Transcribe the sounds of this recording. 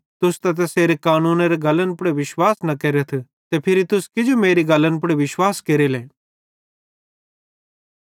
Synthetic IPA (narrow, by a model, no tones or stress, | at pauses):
t̪ʊst̪ɐt̪̬ɛseːɾekaːnuːneɾeɡɐlənpʊɽeʋɪʃwaːsnɐkeːɾɐt̪ʰ | t̪epʰɪɾit̪ʊskɪd͡ʒomeːɾiɡɐlːənp̬ʊɽeʋɪʃwaːskeːɾeleː